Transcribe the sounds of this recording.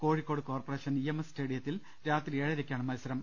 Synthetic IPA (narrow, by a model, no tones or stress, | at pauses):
ko̞ːɻikːo̞ːɽɨko̞ːrpɐreːʂɐniemessteːɽijɐt̪ːil | ɾaːt̪rieːɻɐɾekʲːaːɳɨmɐlusɐɾɐm